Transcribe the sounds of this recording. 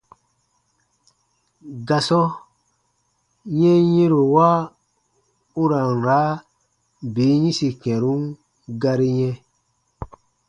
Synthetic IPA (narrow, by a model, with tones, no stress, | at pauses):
ɡa˨sɔ˦ | jɛ̃˦jĩ˦ɾo˨wa˦ | u˦ɾã˨ŋ˨ɾa˨˦ | be˨˦ɲĩ˦si˨kɛ̃˨ɾũ˦n | ɡa˧ɾi˦ɲɛ̃˦